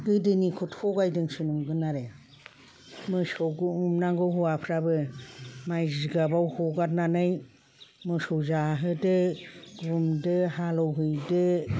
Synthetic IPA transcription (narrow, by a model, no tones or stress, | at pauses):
ɡɯdɯnikʰutʰhʰɔɡajdɯŋsunumɡɯnaɾe | mɯsɔɡuumnaŋɡɔɦuapʰɾabɯmajziɡabawhɔɡat̚nanɯj | mɯsɔwzaɦɯdɯɡumdɯhalɔwɦɯjdɯ